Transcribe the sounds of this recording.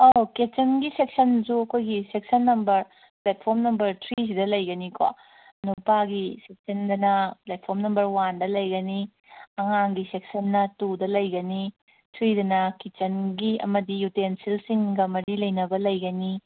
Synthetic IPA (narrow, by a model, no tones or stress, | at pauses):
oket͡ʃɐnɡisek̚sɐnsuɐkʰojɡisek̚sɐnːɐmbɐɾ | plet̚pʰoɾmnɐmbɐɾtʰɾis̬idɐlɐjɡɐniko̰ | nupaɡisek̚sɐndɐnɐplet̚pʰoɾmnɐmbɐɾwandɐlɐjɡɐni | ɐŋaŋɡisek̚sɐnːɐtudɐlɐjɡɐni | tʰɾidɐnɐkit͡ʃɐnɡiɐ̰mɐdijutensilsiŋɡɐmɐɾilɐjnɐbɐlɐjɡɐni